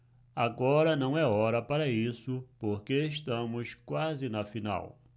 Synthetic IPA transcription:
aɡɔɾɐnɐ̃w̃ɛɔɾɐpaɾɐisʊpoɾkeeʃt̪ɐ̃mʊskwazɪnɐfina̰w

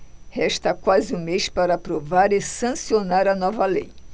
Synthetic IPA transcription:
hɛʃt̪ɐkwazɪũmejʃpaɾɐapɾovaɾɪsɐ̃sionaɾɐnɔvɐlḛj

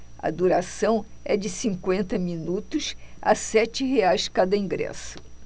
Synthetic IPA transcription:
ɐ̰d̪uɾasɐ̃w̃ɛd͡ʒɪsĩŋkwẽnt̪ɐmĩnut̪ʊsa̰sɛt͡ʃɪɦeajskad̪ɐĩŋɡɾɛ̰sʊ̥

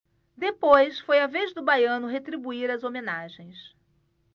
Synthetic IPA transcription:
d̪epojsfojavezd̪ʊbajɐ̃nʊɦet̪ɾibuiɾɐzomenaʒẽj̃s

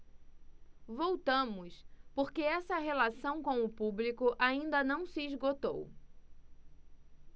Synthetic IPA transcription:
vowt̪ɐ̃mʊspoɾkeɛsɐɦelasɐ̃w̃kõw̃ʊpublikʊʔaĩnd̪ɐnɐ̃w̃sɪːzɡot̪o̰w

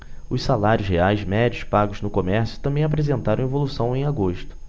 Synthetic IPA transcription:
ʊssalaɾʲjʊzheajzmɛd͡ʒiʊspaɡʊznʊkomɛɾsjʊ̥t̪ɐ̃mbẽj̃ap̬ɾezẽnt̪aɾɐ̃w̃evolusɐ̃w̃ẽj̃aɡoʃt̪ʊ̥

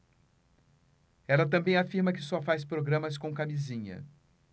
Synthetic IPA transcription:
ɛlɐt̪ɐ̃mbẽj̃afiɾmɐkɪsɔfajs̬pɾoɡɾɐ̃mɐskõw̃kamizĩɲɐ̰

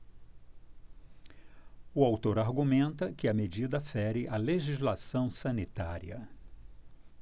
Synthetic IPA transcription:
ʊawt̪oɾaɾɡumẽnt̪ɐkɪɐmed͡ʒid̪ɐfɛɾɪʔaleʒizlasɐ̃w̃sɐ̃nit̪a̰ɾiɐ̰

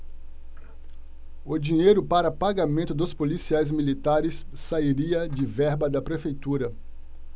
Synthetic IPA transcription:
ʊd͡ʒĩɲejɾʊpaɾɐpaɡamẽnt̪ʊd̪ʊspolisiajzmilit̪aɾɪsːaiɾiɐd͡ʒɪvɛɾbɐd̪ɐpɾefejt̪uɾɐ

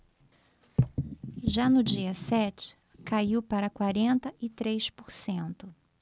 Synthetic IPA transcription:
ʒanʊd͡ʒiɐsɛt͡ʃɪ̥ | kaiwpaɾɐkwaɾẽnt̪ɐʔɪt̪ɾejspoɾsẽnt̪ʊ

